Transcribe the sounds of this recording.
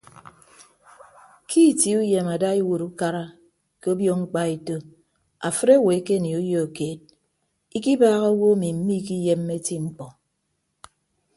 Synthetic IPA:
kʰi˦˨ti˨˦u˦je˨ma˨da˦i˦wo˨ɾu˦ka˦ɾa˦ | ke˦o˦bjɔ˦ŋ͡m̩˦k͡pa˦e˨to˦ | a̰˨fɨ˦ɾe˦˨we˨˦ke˦˨ni˨u˦jo˦o˨keː˨d̚ | i˦ki˦baː˦ɣa˦o˦wo˦mi˨m̩˦mi˦ki˦je˦m̩ː˦e˦ti˦ŋ͡m̩˦k͡pɔ˨

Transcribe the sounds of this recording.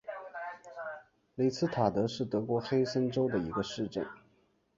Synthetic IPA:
li˨˩ɪt͡sʰɹ̩˥t̪ʰa˨˩t̪ɤ˧˥ʂɻ̩˥˩t̪ɤ˧˥kwɔ˧˥xe˥ɪsə˥nʈ͡ʂo˥ʊd̪ə˨i˧˥ɡə˧ʂɻ̩˥˧ʈ͡ʂə̰˥˩n

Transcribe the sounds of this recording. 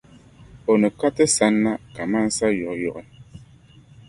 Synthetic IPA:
ɔ˨nɛ˨ka˦tɛ˦sa˨˦nːa˦ka˨ma˦n̩˦sa˦jɔ˨ʔjɔ˨ʔɛ˦

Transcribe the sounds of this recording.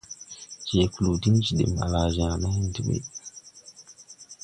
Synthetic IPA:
t͡ʃe˨ku˨lu˨di˦nd͡ʒi˨ɗḭ˨ma̰˨la˨ʒã˨na˦n˦di˦ɓḛ˨

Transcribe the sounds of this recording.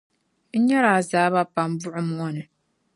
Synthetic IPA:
ɲ̩˦ɲa˦ɾa˨zaː˨˦βa˦pa˨m˦bʊ˦ʔʊ˦m˦ɔ˦nɨ˨

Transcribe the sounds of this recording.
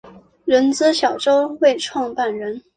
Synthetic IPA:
ɻə˧˥nt͡sɹ̩˥ɕjɑ˨˩ʊʈ͡ʂo˥ʊwe˥˧ɪʈ͡ʂʰwɑ˥˧ŋpa˥˩nɻə˧˥n

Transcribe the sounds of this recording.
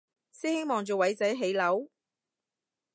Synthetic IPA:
siː˥hɪ˥ŋmɔː˨ŋt͡ʃoː˨wɐ˨˧˥jt͡sɐ˨˥jɦe˨˥jlɐ˨˥w

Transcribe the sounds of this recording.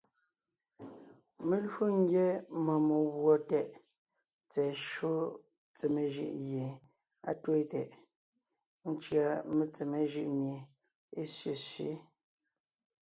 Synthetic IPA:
me˨lwu˦ŋ̩˦ɡjɛ˦mɔ˨mo˨wwɔ˨tɛ˦ʔ | t͡sɛ˨ʃo˦ | t͡se˨me˨ʒɯ̰˨ʔje˨ | a̰˨two˦˨tɛ̰˨ʔ | n̩˦t͡ʃɰa˨me˨t͡se˨me˨ʒɯ˦˨ʔmje˨ | e˦sɥe˨sɥḛ˦

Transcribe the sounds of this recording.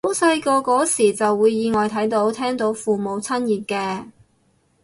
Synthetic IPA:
o˨˥sɐ˧jkɔː˧kɔː˨˥siː˨˩t͡sɐ˨wːuː˨˧jːiː˨˧ŋɔː˨jt̪ʰɐ˨˥jt̪o˨˥wt̪ʰɛː˥ŋt̪o˨˥wfuː˨˩mo˨˧wt͡sʰɐ˥njiː˨˩t̚kɛː˧

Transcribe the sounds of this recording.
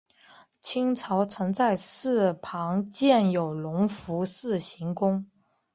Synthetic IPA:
t͡ɕʰi˥ŋʈ͡ʂʰɑ˧˥ʊt͡sʰɤ˧˥ŋt͡sa˥˧ɪsɹ̩˥˩pʰɑ˧˥ŋt͡ɕjɛ˥˩njo˨˩ʊlʊ˧˥ŋfu˧˥sɹ̩˥˩ɕi˧˥ŋkʊ˥ŋ

